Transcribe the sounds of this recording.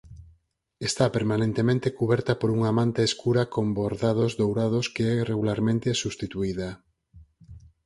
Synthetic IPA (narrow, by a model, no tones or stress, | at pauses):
est̪apeɾmanẽnt̪emẽnt̪ekuβɛɾt̪apoɾuŋaːmãnt̪eːskuɾakomboɾðað̞ozðowɾaðʊskeɛreɣulaɾmẽnt̪esust̪it̪uiða